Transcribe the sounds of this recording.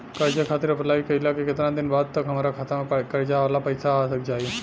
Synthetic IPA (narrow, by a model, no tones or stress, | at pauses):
kɐɾd͡ʒakʰat̪ɪɾɐplaːʋikɐilakiket̪əɾãd̪inbad̪̚t̪ɐkɦəmaɾakʰaːt̪akɐɾd͡ʒaʋlapəjsaːsəkd͡ʒaːjũ